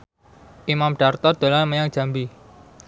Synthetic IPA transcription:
ʔimamɖ̥art̪ɔd̪̥o̤lanməjaŋd̥ʒ̥a̤mbi

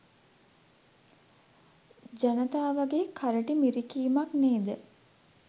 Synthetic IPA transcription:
d͡ʒɐnɐt̪aːʋɐɡeːkʰaɾəʈimiɾikiːmɐkneːd̪ə

